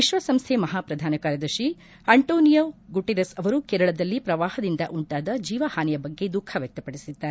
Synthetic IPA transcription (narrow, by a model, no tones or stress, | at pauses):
ʋiʃʋɐsɐmst̪ʰemɐɦaːpɾɐd̪ʱaːnɐkaːɾjɐd̪ɐɾʃi | ɐɳʈoːnijoːɡuʈeɾɐsɐʋɐɾukeːɾɐɭɐd̪ɐlːipɾɐʋaːhɐd̪ind̪ɐʔuɳʈaːd̪ɐd͡ʒiːʋɐhaːnɛjɐbɐɡːe̞d̪ukʰːɐʋjɛk̚t̪ɐpɐɽisid̪ːaːɾe